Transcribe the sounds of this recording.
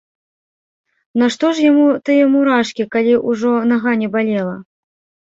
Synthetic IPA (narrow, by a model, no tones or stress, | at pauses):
nɐʂt̪ɔʂjamut̪ɨjɛmuɾaʂkʲikalʲiʔuʐɔnaɣanʲɛbalʲɛlˠɐ̰